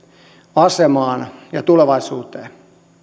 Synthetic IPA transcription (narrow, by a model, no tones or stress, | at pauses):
ɑsemɑːnjɑt̪uleʋɑisuːt̪eː